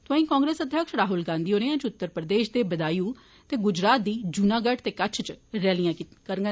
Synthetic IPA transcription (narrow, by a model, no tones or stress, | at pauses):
t̪oãːĩːkaːŋɡɾeːsəd̪ʱjəkʃɾaːɦʊlɡãːnd̪iːoːneːãːt͡ʃʊt̪ːəɾpɾəd̪eːʃd̪eːbəd̪aːjuː | t̪eːɡʊd͡ʒɾaːt̪̚d̪iːd͡ʒuːnãːɡəʈt̪eːkət͡ʃʰt͡ʃɾɛːlijãːkəɾɡ